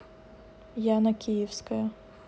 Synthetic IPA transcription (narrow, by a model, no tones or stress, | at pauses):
janɐkʲijiwsʲkɐjɐ